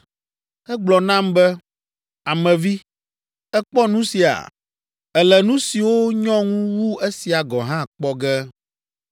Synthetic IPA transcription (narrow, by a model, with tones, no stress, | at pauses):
ɛ˦ɡ͡blɔ˨nã˦mbɛ˦ | a˨mɛ̃˨vi˦ | ɛ˦k͡pɔ˦nũ˦si˨a̰˨ | ɛ˨lɛ˨nũ˦si˨wo˦ɲɔ̃˦ŋũ˦wu˦e˦si˨a˨ɡɔ˨ɦã˦k͡pɔ˦ɡɛ˦